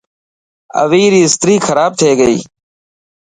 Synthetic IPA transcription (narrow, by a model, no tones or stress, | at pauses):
ə̰ʋiːɾiːɪst̪ɾiːxʰəɾaːb̚t̪ʰeːɡəḭː